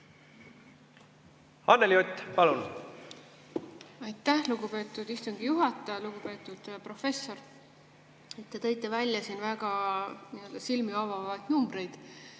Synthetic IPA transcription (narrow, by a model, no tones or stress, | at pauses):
ɑnːeljot̪ʲːpɑlun | ɑjt̪ːˑæhluɡ̥upe̞ːt̪ːˑud̪̥ist̪uŋɡ̥ijuɦɑt̪ːˑɑjɑluɡupe̞ːt̪ːˑud̪̥pro̞fe̞sːo̞r | e̞t̪ːe̞t̪ɤ̞jt̪ːˑe̞vælʲjɑsiːnvæɡ̥ɑniø̞ld̪ɑsilmiɑvɑvɑjd̪̥numbre̞jd̪̥